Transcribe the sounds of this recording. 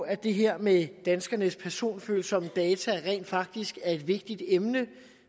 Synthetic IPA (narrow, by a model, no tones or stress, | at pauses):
æd̥e̝ɦeɐ̰med̥ænsɡ̥ɐnəspʰæɐso̝̰ːnfø̰ːlsɒ̽m̰̥ɛːt͡sʰæʁɛ̰nd̥fɑ̈ɡ̥̚d̥isɡ̥æɐe̝d̥ʋe̝ɡ̥̚d̥id̥emnə